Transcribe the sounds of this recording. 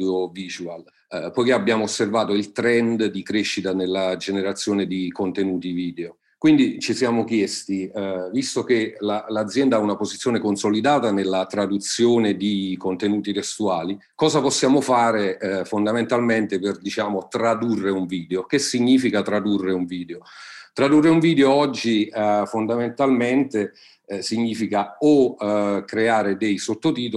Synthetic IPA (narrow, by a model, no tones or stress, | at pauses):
oviːzual | pɔjkeabːjaːmoosːervaːt̪oilt̪ɾɛnd̪d̪ikɾeʃːit̪anelːad͡ʒeneɾat̪sːjoːned̪ikont̪enuːt̪iviːd̪eo | kwind̪it͡ʃisjaːmok̟jɛst̪ivist̪ok̟elalad̪zːjɛnd̪aaunapozit̪sːjoːnekonsolid̪aːt̪anelːat̪ɾad̪ut̪sjoːned̪ikont̪enuːt̪it̪est̪uaːli | kɔːzaposːjaːmofaːɾefond̪ament̪alment̪eperd̪it͡ʃaːmot̪ɾad̪urːeuɱviːd̪eok̟esiɲːiːfikat̪ɾad̪urːeuɱviːd̪eot̪ɾad̪urːeuɱviːd̪eoɔd͡ʒːifond̪ament̪alment̪e | siɲːiːfikaokɾeaːɾed̪ejsot̪ːot̪iːt̪o